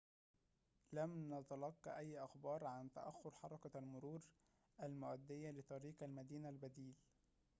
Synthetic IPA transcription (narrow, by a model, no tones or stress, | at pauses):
læmnɑt̪ɑlɑqːɑ̰ʔæjːʔɑxbɑːɾˤʕant̪a̰ʔæxːʊɾħɑɾˤɑkalmʊɾuːɾ | ʔælmʊʔæd̪ːɪjːalɪt̪ˤɑɾiːqælmæd̪iːnalbæd̪iːl